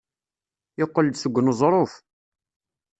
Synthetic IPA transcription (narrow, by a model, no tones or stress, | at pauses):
jɪqːəld̪səɡʷːnzˤɾˤof